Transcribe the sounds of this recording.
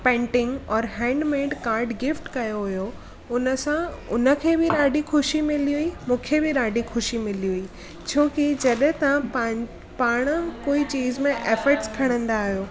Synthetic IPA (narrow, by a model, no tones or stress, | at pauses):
pɛ̃ːɳʈɪ̃ŋɡɔːɾɦɛ̃ːɳɖmẽːɖkaːɾɖɡɪfʈkɐjoɦʊjo | ʊnə̆sãʊnə̆kʰeːbɪɗaːɖixʊʃimɪliuimũːkʰebɪɗaːɖixʊʃimɪliui | t͡ɕʰoːkid͡ʑɐɗɦt̪ɐãpa | paːɽ̃koːit͡ɕiːzmẽʔeːfəɾʈskʰɐɽ̃ə̃nd̪aːɦijoː